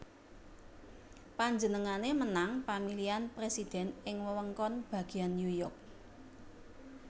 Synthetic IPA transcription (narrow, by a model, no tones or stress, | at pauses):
paɲd͡ʒənəŋanemənaŋpamilianpɾesid̪̥ɛ̤nɪŋwəwəŋkɔnb̥ä̤ɡ̥i̤anːjujɔrk̚